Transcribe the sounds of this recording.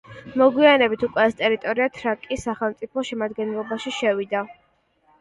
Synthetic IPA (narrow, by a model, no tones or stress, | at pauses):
mɔɡwianɛbit̪ʰukʼwɛɛst̪ʼɛɾit̪ʼɔɾiat̪ʰɾakʼisːaχɛlˠmt̪sʼipʰɔʃɛmad̪ɡɛnlˠɔbaʃiʃɛvid̪a